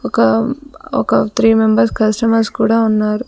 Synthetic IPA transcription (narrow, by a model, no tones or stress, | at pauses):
ɔkɐ | ɔ̰kɐt̪ʰɾiːmembɐɾskɐsʈɐmɐɾskuːɽaːunːaːɾu